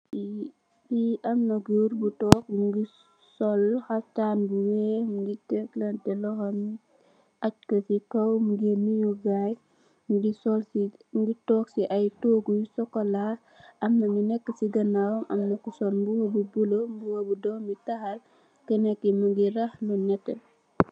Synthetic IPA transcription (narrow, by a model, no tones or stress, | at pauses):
i | iɐmnɐɡuɾbutɔk̚ɡi | sɔlhɐtanbuwɛmɡitɛklɐntɛlɔxɐmi | ɐt̚kɐsikɐwmɡemijuɡaj | mɡisɔlsiŋɡitɔːksiʔɐjtoːɡujsɔkːɔla | ɐmːɐminɛkːəsiɡɐnawɔmʔɐ̰mnɐkusɔlmbuhobubulombuwɐbudɔmitɐhɐl | kənɛkːimɐɡiɾɐhlunɛtːɛ